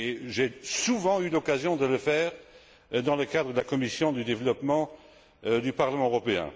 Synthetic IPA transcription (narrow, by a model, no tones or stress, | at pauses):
eʒesuvɑ̃ylɔkazjɔ̃d̪ələfɛːʁ | d̪ɑ̃ləkad̪ʁəd̪əlakɔmisjɔ̃d̪yd̪evlɔpmɑ̃ | d̪ypaʁləmɑ̃øʁɔpeɛ̰̃